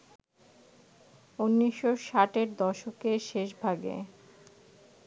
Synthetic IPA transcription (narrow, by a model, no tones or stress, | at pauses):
unːiʃːoʃaʈeɾd̪ɔʃokeʃeʃbʱaɡḛ